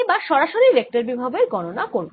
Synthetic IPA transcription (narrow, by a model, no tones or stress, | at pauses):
baɾʃɔɾaʃoɾiɾek̚ʈaɾbibʱabeɾɡɔnonakoɾb